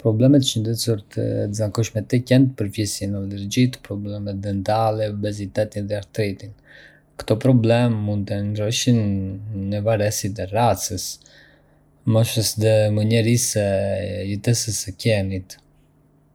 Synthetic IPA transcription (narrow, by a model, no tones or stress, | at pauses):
pɾɔblɛmɛt̪ʃənd̪ɛt͡suɾt̪ə̰əzakuʃmɛt̪ɛkɛnt̪̚pəɾfjɛsjɛnalɛɾd͡ʑit̪pɾɔblɛmɛt̪̚d̪ɛnt̪alɛubɛzit̪ɛt̪inðɛaɾt̪ɾɛt̪in | kt̪ɔpɾɔblɛmːund̪̚t̪ənɾɔʃinː | əvaɾɛsit̪̬ɛrat͡səs | mɔʃəsd̪ɛməɲɛɾisɛjət̪ɛsəsɛcɛnit̪